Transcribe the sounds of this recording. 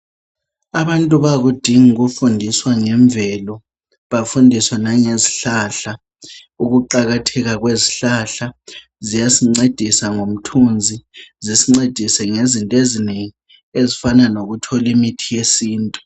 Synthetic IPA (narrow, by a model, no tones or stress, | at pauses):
aβantʼuβaɣud̥ʱiŋuɣufundʱiswaŋɛɱb̪vʱɛlɔ | βafundʱiswɔnaŋeziɬaɬa | uɣuǃaɣatʰɛɣaɣweziɬaɬa | zijasiŋ͡ǀed̥ʱisaŋom̩tʰund͡zʱizisiŋ͡ǀed̥ʱisɛŋezintʼezineŋi | ezifananoɣutʰɔlimitʰijesiːntʼu̥